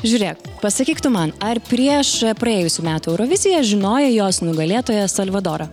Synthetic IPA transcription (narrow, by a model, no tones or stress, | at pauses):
ʒʲuːɾʲeːk̚pɐsɐkʲiːkt̪ʊmɐnɐɾpʲɾʲiɛʃpɾɐeːjʊsʲuːmʲæːt̪ʊɛʊɾɔʋʲɪzʲɪjɛʒʲɪnoːjɛjoːsnʊɡɐlʲeːt̪oːjɛsɐlʲʋɐd̪oːɾɐ